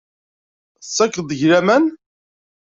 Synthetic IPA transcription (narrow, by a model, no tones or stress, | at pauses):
sːækːəðˤəʝɾæmæn